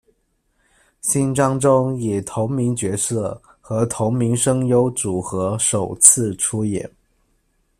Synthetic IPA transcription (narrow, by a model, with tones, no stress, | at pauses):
ɕi˥nʈ͡ʂɑ˥ŋʈ͡ʂʊ˥ŋjɛ˨˩t̪ʰʊ˧˥ŋmi˧˥ŋt͡ɕɥɛ˧˥sɤ˥˩ | xɤ˧˥t̪ʰʊ˧˥ŋmi˧˥ŋʂɤ˥ŋjo˧˥ʊt͡su˨˩xɤ˧˥ʂo˨˩ʊt͡sʰɹ̩˥˧ʈ͡ʂʰu˥jɛ̰˨˩˦n